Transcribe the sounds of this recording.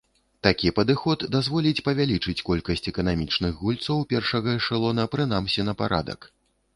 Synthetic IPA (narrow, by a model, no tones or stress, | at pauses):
t̪akʲipɐd̪ɨxɔt̪d̪azvɔlʲit͡sʲpɐvʲalʲit͡ʂɨt͡sʲkɔlʲkɐsʲt͡sʲɛkɐnamʲit͡ʂnɨxɣulʲt̪sɐwpʲɛrʂɐɣɐʂɨlˠɔnɐpɾɨn̪amsʲinɐpaɾa̰d̪ɐ̰k